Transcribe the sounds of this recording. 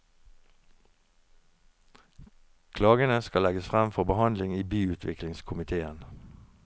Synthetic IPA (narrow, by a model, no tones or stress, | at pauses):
kʰlɑːɡənəskɑlɛɡəsfʁæmfɔʁbəhɑnd̪lɪŋiːbyːʉːt̪ʰʋɪklɪŋskʰʊmɪt̪ʰeːən